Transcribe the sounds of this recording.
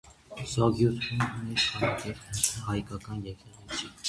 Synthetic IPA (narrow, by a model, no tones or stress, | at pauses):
zɔɡjut̪ʰɛnunɛʃɑjkɛɾhɑjkɑkɑnjɛkɛʁɛt͡sʰi